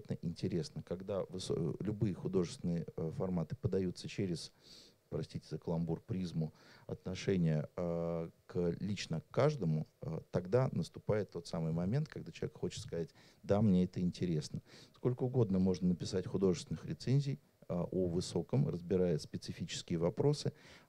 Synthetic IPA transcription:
t̪nəʔɪnʲtʲɪɾʲe̞snəkaɡd̪avɨso̰lʲʊbɨjəxʊd̪o̞ʐɨst̪ʲɪnɨjəfɐrmat̪ɨ̥pəd̪ɐjut̪sət͡ɕeɾʲɪzpɾɐsʲtʲitʲɪzəkəlˠɐmburpɾʲizmʊɐ̰t̪nɐʂɛnʲɪjə | klʲit͡ɕnəkːaʐd̪əmʊə̰t̪ɐɡd̪anəst̪ʊpajɪt̪ːo̞t̪samɨjmɐmʲent̪̚kɐɡd̪at͡ɕɪlˠvʲɛkxo̞t͡ɕɪ̥t̪skɐzat̚ʲ | d̪amnʲeɛt̪əɪnʲtʲɪɾʲe̞snəsko̞lʲkəʊɡo̞d̪nəmo̞ʐnənəpʲɪsatʲxʊd̪o̞ʐɨst̪ʲɪnɨxɾʲɪt̪senʲzʲɪj | əʔovɨso̞kəmrə̰zbʲɪɾajʊt̪spʲɪt̪sɨfʲit͡ɕɪ̥skʲɪjəvɐpɾo̞sɨ

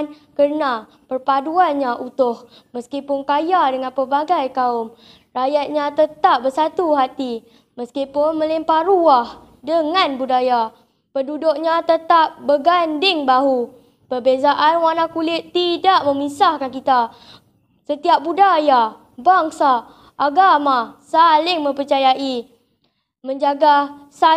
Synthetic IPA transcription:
n | kərna | pərpaduanɲaʔut̪ʊh | məskipʊnkajadəŋanpərbaɡajkaʊm | rajat̪̚ɲat̪ət̪ap̚bəsat̪uɦat̪i | məskipʊnmə̃lɪmpaɾuah | dəŋanbudaja | pədudʊk̚ɲat̪ət̪ap̚bəɡandɪŋbaɦu | pərbezaʔanwanãkulɪt̪ːidaʔ̚mə̃misahkankit̪a | sət̪iap̚budaja | baŋsa | ʔːɡamasalɪŋmə̃mpərt͡ʃajaʔi | mə̃ɲd͡ʒaɡasa

